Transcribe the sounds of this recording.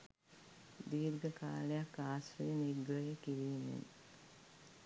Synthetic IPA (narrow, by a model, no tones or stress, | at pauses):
d̪iːɾɡəka̰ːlejakːaːsfəɾiniɡɾəjəkiɾiːmḛn